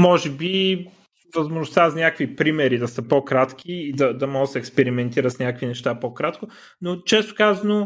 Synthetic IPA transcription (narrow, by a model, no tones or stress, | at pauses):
mɔʒɛbi | vɐzmoʒnʊst̪azɐnʲakvipɾimɛɾid̪ɐsəpokɾat̪k̟ʲiːd̪ɐd̪ɐmɔɡət̪sɛːkspɛɾimɛnt̪iɾət̪snʲakvinɛʃt̪apokɾat̪kʊ | not͡ʃɛst̪ʊ̥kazɐno